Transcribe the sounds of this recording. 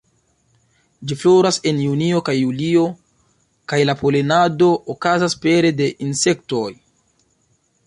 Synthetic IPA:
d͡ʒifloɾase̞njunio̞kajːulio̞ | kajlapolenado̞ʔokazaspe̞ɾe̞de̞ʔinse̞kto̞j

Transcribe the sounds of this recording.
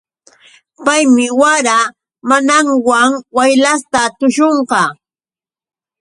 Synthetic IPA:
pajmɪwaɾa | manaŋwaŋwajlast̪at̪ʊʃoɴqɑ

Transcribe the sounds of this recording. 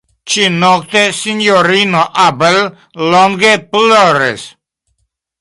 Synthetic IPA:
t͡ʃinɔkt̪esinjoɾinoʔapelː | ɔŋɡeplɔɾḛs

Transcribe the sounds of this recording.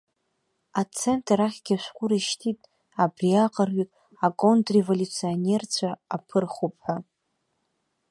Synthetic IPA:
at͡sʰentʰraχʲɡʲaʃʷᶣqʷʼʊɾaʃtʰitʼ | abriaqʼərɥʷikʼ | akʼondrevolʲut͡sʰione̞rt͡ɕʷʰaːpʰɨrχupʰʼħʷa

